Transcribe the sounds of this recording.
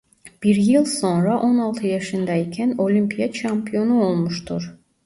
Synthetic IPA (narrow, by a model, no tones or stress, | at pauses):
b̥iɾjɯlˠso̞nɾaʔo̞nalˠt̪ʰɯjɑʃɯnd̪aicʲʰæno̞lʲympʰijat͡ʃʰampʰijo̞nuo̞lˠmuʃt̪ʰuɾ